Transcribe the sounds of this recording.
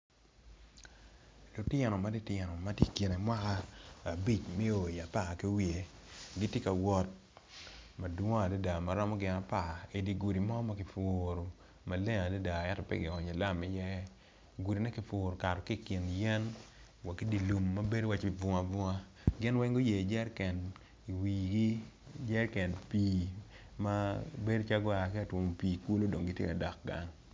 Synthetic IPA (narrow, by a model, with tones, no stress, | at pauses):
lu˨tjɛ˨nɔ˨ma˦di˦tɛ˨nɔ˨ma˦tje˦ki˨ne˨mwa˦kaː˦˨bi˦˨t͡ʃme˦o˨ja˨pa˦˨ke˦wi˨e˨ | ɡɪ˦tje˦ka˨wɔ˦t̚ | ma˨dwɔ˦a˨di˦da˨ma˨ɾɔ˦mɔ˦ɡɪ˨na˨pa˦˨e˨di˨ɡu˨ɾi˨mɔ˦ma˦kɪ˨fʊː˨ɾo˨ | ma˨le˦ŋa˨de˦da˨ɛ˦tɔ˨pɛ̰˦ɡɪ˨ɔ˨ɲe˨la˦mɪ˨jɛ˦ | ɡu˨ɾi˨nɛ˦kɪ˨fʊː˨ɾo˨ka˨ɾɔ˨ki˦˨kɪ˨njɛ˦n | wa˨kːi˦di˦lu˨mːa˦be˦dwa˦t͡ʃvʊ˨˦ŋa˨vʊ˦ŋa˦ | ɡɪ˦nwɛ˦ŋɡo˦je˨d͡ʒɛ˦ɾkɛ˨n | i˨wi˨ɡi˦d͡ʒɛ˦ɾkɛ˨npiː˨˦ | ma˦be˦dt͡ʃa˦ɡɔ˦a˨kɪ˦a˨two˨mo˨pi˨ku˦lo˦do˨ŋɡɪ˦tjḛ˦ka˨da˨k̚ɡa̰˨ŋ